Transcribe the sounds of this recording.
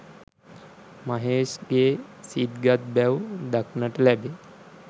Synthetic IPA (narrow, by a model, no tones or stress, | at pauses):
məɦeɕɡesid̪ɡat̪̚bɛwd̪aknəʈlɛbe